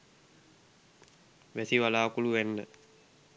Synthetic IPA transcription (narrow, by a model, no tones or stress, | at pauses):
ʋæsiʋalaːkuluʋænːə